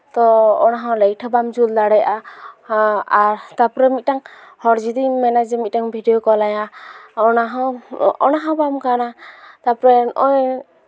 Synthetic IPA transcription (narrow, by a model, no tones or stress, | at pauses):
t̪ɔːnaɦɔ̃ləjʈʰəbamd͡ʒuld̪aɽɛjʔa | aɾt̪apɾɛmit̪̚ˀʈaŋ | hɔɾd͡ʒid̪imɛnad͡ʒɛmit̪̚ʈaŋbʱiɖɛjɔkɔlajaɔnaɦɔ̃ɔnaɦɔ̃bamkanat̪apɾɛnɔ̰ʔɔj